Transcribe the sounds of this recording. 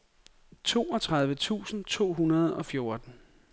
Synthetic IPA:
t͡sʰo̝̰ːɒ̽t͡sʰʁäð̞ˠʋət͡sʰṵːsn̩t͡sʰo̝̰ːɦunɐð̞ˠɒ̽fjo̝ɐd̥n̩

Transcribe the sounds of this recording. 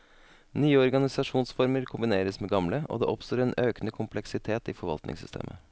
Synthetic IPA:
nyːəɔɾɡɑnɪsɑʂuːnsfɔɾməɾkʰʊmbɪneːɾəsmeːɡɑmləʔo̰ːd̪ḛːʔɔpst̪oːɾeːnʔøːknəkʰʊmpʰlɛksɪt̪ʰeːt̪iːfɔɾʋɑ̰lt̪nɪ̰ŋsʏst̪ʰḛːmʔə̰

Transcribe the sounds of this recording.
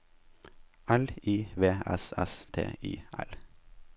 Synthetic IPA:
æliːʋeːɛsɛst̪ʰḛːḭːæl

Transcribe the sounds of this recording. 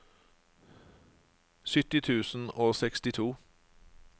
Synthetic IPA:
sʏt̪ɪt̪ʰʉːsn̩oːsɛkst̪ɪt̪ʰuː

